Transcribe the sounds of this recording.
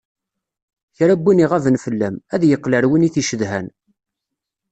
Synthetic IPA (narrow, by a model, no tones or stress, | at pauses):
çɾæbːiniʁævənfəlːæmæðjəqːləɾwiniθiʃəðɦæn